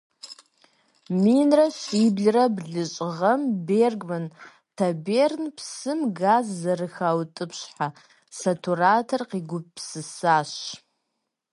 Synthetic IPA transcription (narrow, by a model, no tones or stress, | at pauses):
minraʃʷibɮrabɮɨt͡ʃʷʼʁɐmberɡʼmɨn | tʰabernpʰsɨmɡazːarɨxawtʼɨpʰʃħa | satʰuɾatʰarqiɡʷʊp̚ʼpʰsɨsaʃ